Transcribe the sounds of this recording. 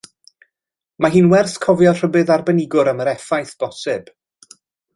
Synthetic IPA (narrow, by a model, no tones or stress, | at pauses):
maɦiːnwɛrθkʰɔvjɔr̥əbɨðarbənɪɡʊɾəməɾɛfajθb̥ɔsɨb̥